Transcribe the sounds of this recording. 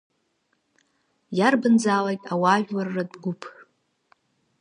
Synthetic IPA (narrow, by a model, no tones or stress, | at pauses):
jarbɨnd͡zaːlajtʼawaʒᶣlarːadɡʷʊpʰ